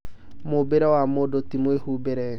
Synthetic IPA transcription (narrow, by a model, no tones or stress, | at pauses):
mobeɾɛwamodotimwehubeɾɛ